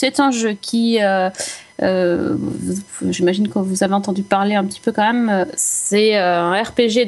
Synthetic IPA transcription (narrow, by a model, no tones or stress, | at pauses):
sɛt̪ɛ̃ʒøkʲʰiø | ø̰vuʒimaʒinkəvuzaveɑ̃t̪ɑ̃d̪ypaʁleɛ̃pət̪ʰi̥pøkɑ̃mɛmøsɛøɛ̃ɛʁpeʒe